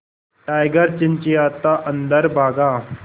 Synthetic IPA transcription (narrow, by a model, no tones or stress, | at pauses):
ʈajɡəɾt͡ɕint͡ɕiat̪aʔənd̪əɾbʱaɡa